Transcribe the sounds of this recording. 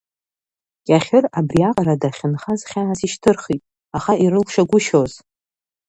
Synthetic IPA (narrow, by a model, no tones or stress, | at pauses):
kʲʼaχʲɪrabriaqʼaɾadaχʲɪnχazχʲaːsiʃtʰɨrχitʼ | aχaiɾɨlʰʃaɡʷʊʃoz